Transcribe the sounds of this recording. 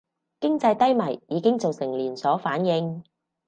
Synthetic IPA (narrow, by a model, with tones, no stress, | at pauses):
kɪ˥ŋt͡sɐ˧jt̪ɐ˥jmɐ˨˩jːiː˨˧˥kɪ˥ŋt͡so˨wsɪ˨˩ŋliː˨˩nsɔː˨˥faː˨˥njɪ˧ŋ